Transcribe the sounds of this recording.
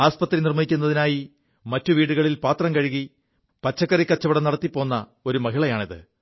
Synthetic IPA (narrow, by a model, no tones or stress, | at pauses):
aːspɐt̪rinirmɐjikʲːunːɐðinaːji | mɐtːuʋiːɽuɣɐɭilpaːt̪rɐmkɐɻiɣi | pɐt͡ɕːɐkːɐrikːɐt͡ɕːɐʋiɽɐnɐɽɐt̪ːipːo̞ːnːɐ | o̞ɾumɐɦiɭɐjaːɳiðɨ̰